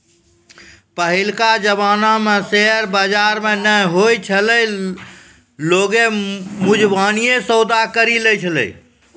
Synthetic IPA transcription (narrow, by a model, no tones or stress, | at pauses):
pəɦilkad͡ʒəβanameseəɾbəd͡ʒaɾmenəjɦojt͡ʃʰələj | loɡemud͡ʒbanijesəwd̪akəɾilɛt͡ʃʰələ̰i